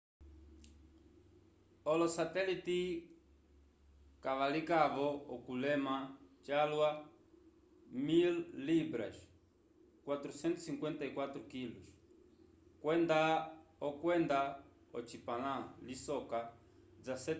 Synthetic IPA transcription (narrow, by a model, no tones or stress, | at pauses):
ɔlɔsat̪ɛlit̪i | kavalikaβɔɔkulɛmat͡ʃalwa | milːibɾa̰ʃ | kwat̪ɾusɛnt̪u̥siŋkwɛnt̪aikwat̪ɾukiluʃ | kwɛnd̪aɔkwɛnd̪a | ɔt͡ʃipalãlisɔka | d͡zasɛ